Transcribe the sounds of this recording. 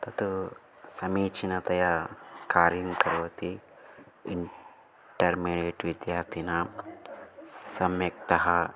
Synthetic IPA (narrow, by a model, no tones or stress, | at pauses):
t̪ɐt̪u | sɐmiːt͡ʃinɐt̪ɐjɐkaːɾjɐmkɐɾʋɐt̪i | iɳ | ʈɐɾmiːɖeːʈʋid̪jaːɾt̪ʰinɐ | sɐmjɐkt̪ɐɦɐ